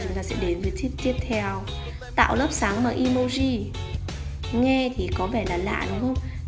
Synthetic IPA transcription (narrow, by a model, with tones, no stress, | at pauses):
t͡ɕʊ˨˦ŋ͡mt̪aː˧sɛ̰˧˥ɗe˨˦nvəː˨˦jt̪ʰi˦˥əp̚t̪i˦˥əp̚t̪ʰɛ˧˩w | t̪a̰ː˧˨wləː˦˥p̚saː˨˦ŋmaː˨˩ʔi˧mo˧zi˧˩ | ŋɛ˧t̪ʰi˨˩kɔ˨˦vɛ˧˩laː˨˩la̰ː˧˨ɗʊ˨˦ŋ͡mxə˧wŋ͡m